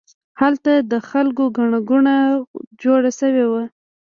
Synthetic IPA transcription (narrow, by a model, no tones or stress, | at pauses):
halt̪ad̪əxalkoɡaɳaɡuɳad͡ʒoɽaʃəwewa